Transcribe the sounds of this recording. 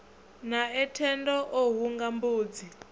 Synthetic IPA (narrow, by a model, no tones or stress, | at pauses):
naɛtʰɛndɔʔoɦuŋɡambuːd͡zi